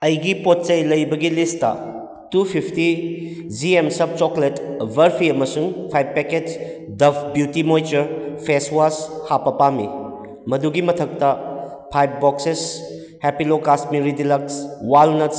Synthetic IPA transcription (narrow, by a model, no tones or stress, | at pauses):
ɐjɡipot̚t͡ʃɐjlɐjbɐɡilistɐ̰ | tupʰipʰti | d͡ʒiemsɐb̚t͡ʃɔkletbʱɐɾpʰiɐmɐsuŋpʰajbːeket͡ʃ | dɐpʰbjutimojt͡ʃɐɾpʰeswashapɐpamḭ | mɐduɡimɐtʰɐk̚tɐ | pʰajb̚bɔkses | hepilokasmiɾidilɐkswalnɐs